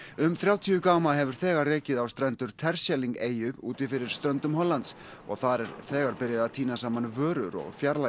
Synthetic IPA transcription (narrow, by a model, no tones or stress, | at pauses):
ʏmθɾjaːwt̪ʰiʏkaːwmaɦɛvʏɾ̥θɛːɣarrːeːcɪðawst̪ɾɛnt̪ʏɾ̥t̪ʰɛɾ̥sjɛliŋkeːjʏpṵːt̪ɪfɪɾɪɾ̥st̪ɾœnt̪ʏmɦɔlːant̪s | ɔ̰ɣθaɾɛɾθɛːɣaɾpɪɾjɪðaðt̪ʰiːnasaːmanvœːɾʏɾɔ̰ɣfjaɾla